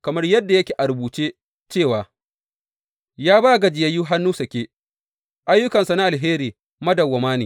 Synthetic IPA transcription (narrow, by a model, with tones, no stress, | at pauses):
kɐ˨mɐ˦rjɐ˦dːa˨jɐ˦kʲeː˨ʔa˨ɾʊ˨buː˨t͡ʃeː˦ | t͡ʃeː˦˨waː˨ | jaː˦baː˦ɡɐ˨d͡ʒɪ˨ja˦ju˦ɦa˦nːuː˦sɐ˨kʲeː˦ | ʔa˦jːʊ˦kɐ˨nsa˨na˦ʔa˨lɦeː˦ɾiː˨ | mɐ˦dɐ˨wɐ˨maː˦niː˨